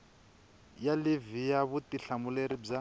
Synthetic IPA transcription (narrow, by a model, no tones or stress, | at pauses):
jalivijaβutiɬamuleɾib͡ʐa